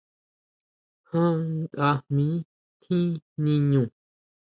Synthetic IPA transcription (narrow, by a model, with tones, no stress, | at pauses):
hã˦ŋkʼa˧hmĩ˦ | t̪ʰĩ˦nĩ˧ɲũ˨